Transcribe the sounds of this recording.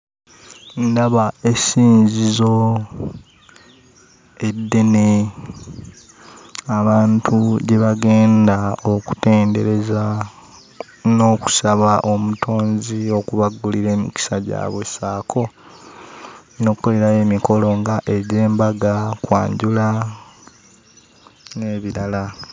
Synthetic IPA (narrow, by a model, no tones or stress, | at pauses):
ndaβae̞siːɲzizo̞ | e̞dːe̞ne | aβaːntʰuɟeβaɡe̞ːndaoku̥te̞ːnde̞ɾe̞za | no̞ːku̥saβaʔo̞mutʰo̞ːnzio̞kuβaɡːuliɾe̞ːmḭki̥saɟa̰ːβwe̞saːkʰo̞ | no̞ːkukːo̞le̞ɾaje̞miko̞lo̞ŋɡaʔeɟe̞ːmbaɡakwa̰ːɲɟula | ne̞ːβiɾala